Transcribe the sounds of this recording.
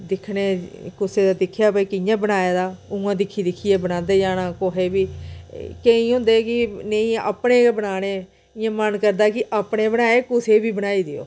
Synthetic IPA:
d̪ɪkʰneːkʊseːd̪aːd̪ɪkʰːjaːbəiːkɪjãːbənaːjaːd̪aːũːãːd̪ɪkʰiːd̪ɪkʰieːbənãːnd̪eːd͡ʒaːnãːkoːɦeːbiː | keĩːɦʊ̃ːnd̪eːkɪneĩːa̰ːpɽeːbənaːneː | ɪjãːmənkəɾd̪aːkɪʔaːpɽeːbənaːeːkʊseːbiːbənaːiːd̪eo̰ː

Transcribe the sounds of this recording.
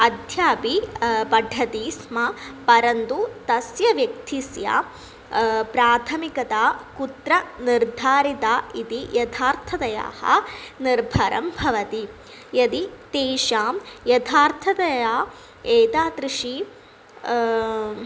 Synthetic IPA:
ɐd̪ʱjaːpipɐɖʱɐt̪iːsmɐpɐɾɐnt̪ut̪ɐsjɐʋjɐk̚t̪isja̰ | pɾaːt̪ʰɐmikɐt̪aːkut̪ɾɐniɾd̪ʱaːɾit̪aːit̪ijɐt̪ʰaːɾt̪ʰɐd̪ɐja̰ːhɐ̰niɾbʱɐɾʔɐ̰mbʱɐʋɐt̪i | jɐd̪it̪eːʃaːmjɐt̪ʰaːɾt̪ʰɐt̪ɐjaː | eːt̪aːt̪ɾiʂi

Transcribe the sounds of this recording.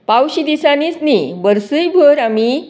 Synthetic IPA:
pawɕid̪isanisnibəɾsəjbʱəɾami

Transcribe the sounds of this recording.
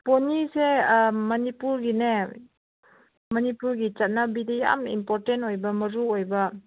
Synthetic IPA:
ponisemɐnipuɾɡine | mɐnipuɾɡit͡ʃɐt̚nɐbideja̰mḭmpoɾtentojbɐmɐɾuojbɐ

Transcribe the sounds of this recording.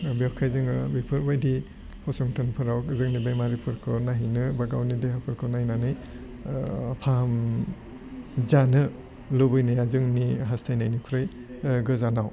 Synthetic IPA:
biɔkʰajzɯŋɯbipʰɯɾbajdi | hʰɔsɔŋtʰɯnpʰɯɾawkzɯŋnibejmaɾipʰɯɾkʰɯnaɦinɯbaɡawnideɦapʰɯɾkʰɯnahinanɯj | pʰam | zanɯ | lubɯjnajazɯŋniɦastʰajnajnikʰɾɯj | ɡɯzanaw

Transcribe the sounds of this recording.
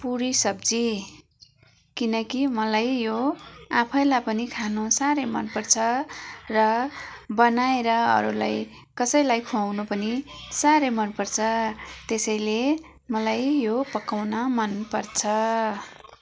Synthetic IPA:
puɾisʌb̚d͡zi | kinʌkimʌlajjoãpʰʌjlajpʌnikʰanusaɾʌjmʌnpʌrt͡sʰʌrʌbʌnaeɾʌʌ̰ɾula̰j | kʌsʌjlajkʰuawnupʌnisaɾʌjmʌnpʌrt͡sʰʌt̪esʌjle | mʌlajjopʌkawnʌmʌnpʌrt͡sʰʌ

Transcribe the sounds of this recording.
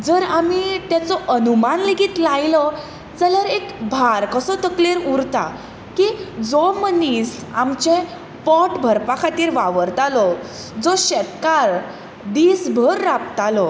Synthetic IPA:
d͡zəɾamit̪jat͡sɔʔənumanleɡiːt̪lajlɔ | d͡zəlaɾekbʱaɾkəsɔt̪əkleɾuɾt̪a̰ | kid͡zɔməniːsamt͡ɕẽ | pɔʈbʱəɾpakʰat̪iːɾʋaʋəɾt̪alɔ | d͡zɔɕɛt̪kaɾ | d̪isbʱəɾːapt̪alɔ

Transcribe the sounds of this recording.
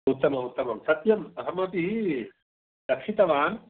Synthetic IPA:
ut̪ːɐmɐmut̪ːɐmɐmsɐt̪jɐmɐɦɐmɐpiɦi | lɐkʂit̪ɐʋaːn

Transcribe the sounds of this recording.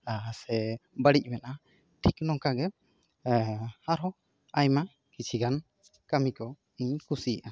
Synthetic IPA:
asɛbəɽic̚ˀmɛna | ʈʰiknɔŋkaɡɛ | haɾɔ | ajma | kit͡ʃʰiɡan | kamikɔ | iɲkusijaʔa

